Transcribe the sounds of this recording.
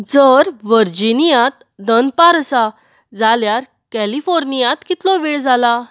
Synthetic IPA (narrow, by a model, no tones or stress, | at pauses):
d͡zəɾʋəɾd͡ʑinijãt̪ | d̪ənd̪̚paɾəsa | d͡zaljaɾ | kælifɔɾnijãt̪kit̪lɔʋeɭd͡zʱala